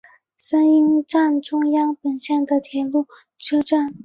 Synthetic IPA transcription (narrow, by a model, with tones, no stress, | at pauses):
sa˥ni˥ŋʈ͡ʂa˥˩nʈ͡ʂʊ˥ŋjɑ˥ŋpə˨˩nɕjɛ˥˩nd̪ə˩t̪ʰjɛ˧˥nlu˥˩ | ʈ͡ʂʰɤ˥ʈ͡ʂa˥˩n